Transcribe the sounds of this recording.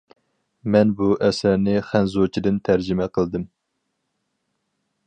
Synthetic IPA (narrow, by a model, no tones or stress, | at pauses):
mɛnbuʔɛsæɾnɪχænzot͡ʃʰid̪ɨnt̪ʰæɾd͡ʒimɛqʰəlˠd̪ɨm